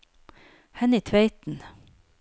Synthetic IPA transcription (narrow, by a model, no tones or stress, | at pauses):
hɛnɪt̪ʰʋeɪt̪n̩